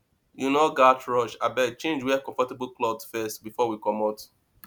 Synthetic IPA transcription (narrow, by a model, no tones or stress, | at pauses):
junoɡatɹɔʃabɛt͡ʃẽnd͡ʒwiakɔ̃ɱfɔtebulklɔdsfɛstbifɔwikɔmɔt